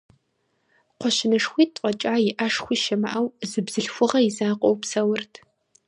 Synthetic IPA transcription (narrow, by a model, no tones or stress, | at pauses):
qʷɔʃɪnɨʂxʷiːtʼɐt͡ʃʼaːjɪʔaʂxʷiːʃɐmaʔawzɨbz̥ɨɬxʷʊʁɐɪzaːqʷʼɔwpsɐwʊrtʰ